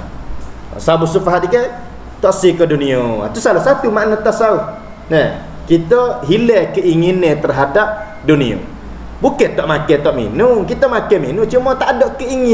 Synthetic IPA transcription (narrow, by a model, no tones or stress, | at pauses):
ɔ̰ʔsabusufaɦat̪ike | t̪ɔʔsikədunioa̰t̪usalahsat̪umaʔnot̪asauh | nəh | kit̪əɦilɛkəiŋinẽt̪ərɦadap̚ | dunio̰ | buket̪ɔʔmakɛt̪ɔʔmḭnʊŋkit̪əmakɛminʊŋt͡ʃumɔt̪aʔdoʔkəiŋi